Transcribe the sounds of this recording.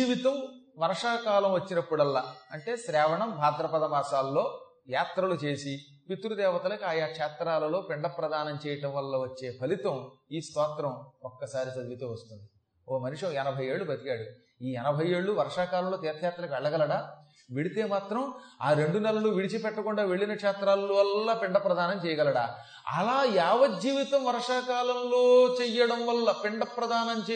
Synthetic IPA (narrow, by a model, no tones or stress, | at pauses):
d͡ʒiːʋit̪ɐmʋɐɾʂaːkaːlɐmʋɐt͡ʃːinɐpːuɽɐlːaːɐɳʈe̞ːʃɾɛːʋɐɳɐmbʱaːd̪ɾɐpɐd̪ɐmaːsaːlːo̞ː | jaːt̪ɾɐlut͡ʃe̞ːsi | pit̪ːɾud̪ɛːʋɐt̪ɐlɐkiaːjaːkʂɛːt̪ɾaːlɐlo̞ːpiɳɖɐpɾɐd̪ʱaːnɐmt͡ʃɛːjɐʈɐ̃mʋɐlːɐʋɐt͡ʃːe̞ːpʰɐlit̪ɐmiːst̪ɔːt̪ɾɐmɔkːɐsaːɾisɐd̪ʋit̪ɐʋɐst̪und̪i | omɐniʂɐɛnɐbʱɐje̞ːɭːubɐt̪ikaːɽu | iːɛnɐbʱɐje̞ːɭːuʋɐɾɐʂaːkaːlɐmloːt̪ɛːɾt̪ʰjaːt̪ːɾɐkiʋɛɭːɐɡɐlɐɽaː | ʋeɽit̪e̞ːmaːt̪ɾɐmaːɾe̞ɳɖunɛlɐluʋiɽit͡ʃipɛʈːɐkuɳɖaːʋe̞ɭːinɐkʂaːt̪ɾaːlluʋɐlːaːpiɳɖɐpɾɐd̪ʱaːnɐmt͡ʃɛːjɐɡɐlɐɽa̰ː | ɐ̰laːjaːʋɐd͡ʒiːʋit̪ɐmʋɐɾʂaːkaːlɐmloːt͡ʃɛjɐɽɐmʋɐlːɐpiɳɖɐpɾɐd̪ʱaːnɐmt͡ʃː